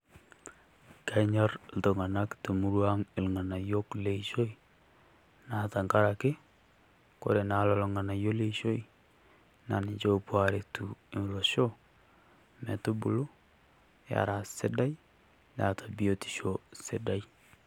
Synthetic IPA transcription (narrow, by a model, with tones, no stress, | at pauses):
ka˦ɲa˦ɾlto˨ŋa˨na˦kte˨mu˦ɾwa˦ŋɪ˨lŋa˨na˨jo˦kle˨iʃo˦i˦ | na˨ta˨ŋka˦ɾa˨kɪ˦ | ko̰˨ɾe˨na˨lɔ˨lɔŋa˨na˨jo˦le˦iʃo˦i | na˨nɪ˨t͡ʃo˦pwa˨ɾe˨tu˨ɪ˨m˨lo˨ʃo˦ | mɛ˨tu˦bu˨lu˦ | ja̰˨ɾa˨sɪ˦da˦j | na˨tʰa˨bi˨o˨ti̥˨ʃo˦sɪ˦da˦j